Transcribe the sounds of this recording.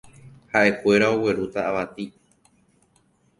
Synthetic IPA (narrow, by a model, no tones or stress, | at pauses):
haʔe̞kʷe̞ɾao̞we̞ɾut̪aːʋat̪i